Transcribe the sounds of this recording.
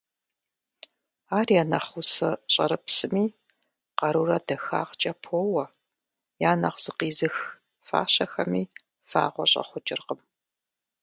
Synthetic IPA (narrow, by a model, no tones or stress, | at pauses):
aːrjanɐχusɐɕʼɐ̰ɾɨpsɨmiː | qɐɾuːrɐdɐxa̰ːqt͡ʃʼɐpʰoːwɐ | jaːnɐqz̥ɨqiːzɨx | fa̰ːɕɐxɐmiː | fa̰ːʁʷɔɕʼɐ̰χʷʊd͡ʒʼɪrqəm